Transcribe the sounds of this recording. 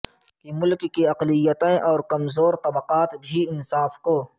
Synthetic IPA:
kimʊlkːiɐqlɪjət̪ẽʔɔːɾkɐmzoːɾt̪ɐbəqaːt̪bʱiɪnsaːfkoː

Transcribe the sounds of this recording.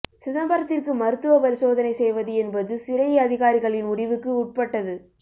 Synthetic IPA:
sɪðɐmbɐɾɐt̪ːɪrkɯmɐɾɯt̪ːɯʋɐpɐɾɪsoːðɐnɐɪsɛjʋɐðɯɛnbɐðɯsɪɾɐjɐɐðɪɣaːɾɪɣɐɭɪnʊɽɪʋɯkːɯʊʈ̚pɐʈːɐðɯ

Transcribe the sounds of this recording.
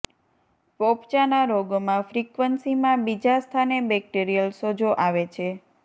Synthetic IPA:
popt͡ʃanaɾoɡmãfɾikʋənsimãbid͡ʒast̪ʰanebɛk̚ʈiɾijəlsod͡ʒoʔaʋet͡ʃʰe

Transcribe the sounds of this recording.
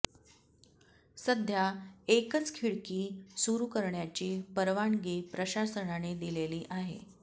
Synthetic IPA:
səd̪ʱjaekət͡skʰiɭkiːsuɾukəɾɳjat͡ɕiːpəɾʋaɳɡepɾəɕasəɳaned̪ileliːʔaɦḛ

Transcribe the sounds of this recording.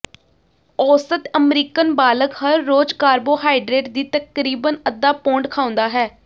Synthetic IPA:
ɔːsət̪əmɾiːkənbaːləkɦəɾːoːd͡ʒkaːɾboːɦaːɪɖɾeːʈ̚d̪iːt̪əkɾiːbənəd̪ːaːpõːɳɖkʰaːʊ̃nd̪aːɦɛː

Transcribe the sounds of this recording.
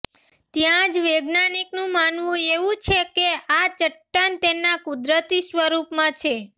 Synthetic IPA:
t̪jãd͡ʒʋeɡnaniknũmanʋũeʋũt͡ʃʰekeat͡ʃəʈːənt̪enakud̪ɾət̪isʋəɾupmãt͡ʃʰe

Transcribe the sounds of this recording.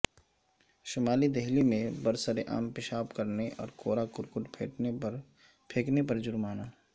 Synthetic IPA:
ʃʊmaːlid̪ɛɦlimẽbəɾsəɾeʔa̰ːmpɪʃaːpkəɾneʔɔ̰ːɾkoːɾakʊɾkʊʈpʰḛːʈ | pʰeːknepɐɾd͡ʒʊɾmaːnaː

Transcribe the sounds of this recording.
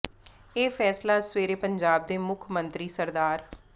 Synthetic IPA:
eːfʰɛːslaːsweːɾeːpəɲd͡ʒaːb̚d̪eːmʊkʰmə̃nt̪ɾiːsəɾd̪aːɾ

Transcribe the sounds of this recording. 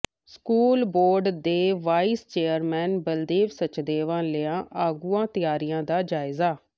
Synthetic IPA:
skuːlboːɾɖd̪eːʋaːiːst͡ʃeːəɾmɛːnbəld̪eːʋsət͡ʃd̪eːʋãːlɪãːʔaːɡuːãːt̪ɪjaːɾijãːd̪aːd͡ʒaːɪzaː

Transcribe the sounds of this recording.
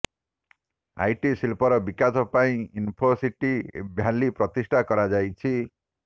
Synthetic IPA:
a̰jʈisilpɔɾɔbikasʰɔpaĩinpʰosiʈibʱjalipɾɔt̪isʈʰakɔɾad͡ʒajt͡ʃʰi

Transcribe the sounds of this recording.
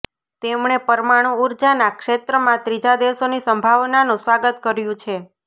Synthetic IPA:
t̪emɳ̃epəɾmaɽ̃ũuɾd͡ʒanakʃet̪ɾəmãt̪ɾid͡ʒad̪eʋsonisəmbʱaʋnanũsʋaɡət̪kəɾjũt͡ʃʰe

